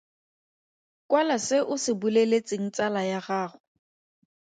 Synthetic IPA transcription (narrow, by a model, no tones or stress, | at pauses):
kwalasɪʔʊsɪbulelet͡sʼɪŋ̩t͡sʼalajaɣaːχʊ